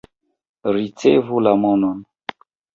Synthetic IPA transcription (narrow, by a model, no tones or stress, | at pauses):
ɾit͡sevulamonon